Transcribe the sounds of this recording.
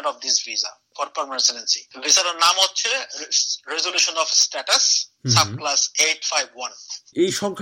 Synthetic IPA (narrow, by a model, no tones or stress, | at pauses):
nɔfd̪isviza̰ | fɔɾpəɾmaɾsenensivizaɾonamɔtːt͡ʃʰe | ɾezoluʃonɔfsʈɛʈɐssab̚klaseʈfajbwʌnejʃɔŋkʰ